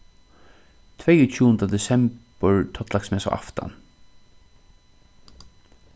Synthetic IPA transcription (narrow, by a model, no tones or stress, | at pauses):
t̪ʰvɛjʊt͡ʃʰuːənd̪ad̪ɛsɛmpəɹt̪ʰɔt̪laksmɛːsa̰ʔa̰ft̪a̰n